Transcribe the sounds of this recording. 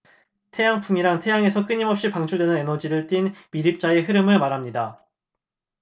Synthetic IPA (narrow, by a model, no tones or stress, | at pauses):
tʰe̞jaŋpʰumiɾaŋtʰe̞jaŋe̞sʰʌk͈ɯɲimʌp̚ɕ͈ipaŋt͡ɕʰuɭdwe̞nɯne̞nʌd͡ʑiɾɯɭt͈inmiɾip̚t͡ɕ͈ae̞ɦɯɾɯmɯɭmaɾamɲida